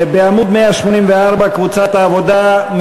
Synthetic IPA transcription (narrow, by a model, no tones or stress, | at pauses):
beamud̪meaʃmonimveaɾbakvut͡sat̪aːvod̪am